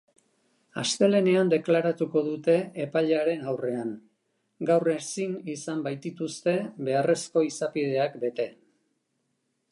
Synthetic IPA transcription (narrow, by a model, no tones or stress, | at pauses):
a̰st̪e̞le̞ne̞and̪e̞klaɾat̪uko̞ðut̪e̞ːpaʎaɾe̞nawre̞aŋ | ɡawresinisambajt̪it̪ust̪e̞βe̞are̞sko̞isapið̞e̞akbe̞t̪e̞